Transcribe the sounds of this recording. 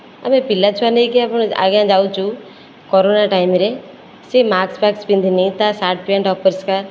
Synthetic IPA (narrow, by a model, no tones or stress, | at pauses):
a̰mẽpilːat͡ʃʰuanek̬iapəɳ̃a̰ɡjãd͡ʒawt͡ʃʰu | kɔɾonaʈaimɾe | semaːkspakspind̪ʱinit̪asaʈ̚pẽɳʈɔpəɾska